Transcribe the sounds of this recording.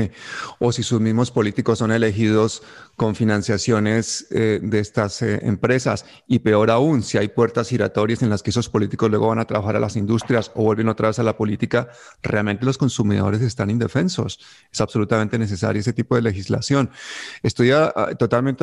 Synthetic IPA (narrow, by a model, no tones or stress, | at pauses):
o̞sisuzmizmo̞spo̞lit̪iko̞sːo̞ne̞le̞xið̞o̞sko̞ɱfinãnsjasjo̞ne̞sed̪e̞est̪asḛmpɾe̞sa̰s | ipe̞o̞ɾaunsiajpwe̞ɾt̪asiɾat̪o̞ɾjase̞nlaskeeso̞spo̞lit̪iko̞zlwe̞ɣo̞βanat̪ɾaβaxaɾa̰lasind̪ust̪ɾjaso̞βwe̞lβe̞no̞t̪ɾaβe̞salapo̞lit̪ika | reʔalme̞nt̪̬e̞lo̞sko̞nsumiðo̞̰ɾe̞se̞st̪anĩnd̪e̞fe̞nso̞̰s | esaβso̞lut̪amẽ̞nt̪e̞ne̞s̬e̞sa̰ɾjoes̬e̞t̪ipo̞ðe̞le̞xizla̰sjonest̪o̞jat̪ot̪alment̪